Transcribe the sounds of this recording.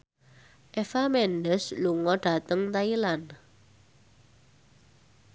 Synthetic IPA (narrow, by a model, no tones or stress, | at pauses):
ʔefamɛndəsluŋɔɖ̥a̤t̪əŋt̪ailan